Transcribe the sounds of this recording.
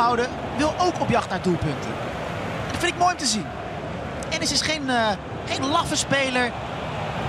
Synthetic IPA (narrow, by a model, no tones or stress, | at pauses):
awdə | ʋɪlˠʔowkɔpjɑχtnaːɹdulˠpɵntə̰n | ɛndɑtfɪntɪk̚mojɔmtəzin | ɛnəsɪsχejnə | χejnlɑfəspejləɹ